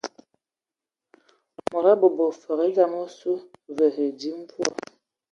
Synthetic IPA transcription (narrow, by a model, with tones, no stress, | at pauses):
mɔ˨ɾa˦bo˨bo˨fə˨ɣe˦za˦mo˦su˦və˨ɦe˨di˦m̩˦pwɔ˦˨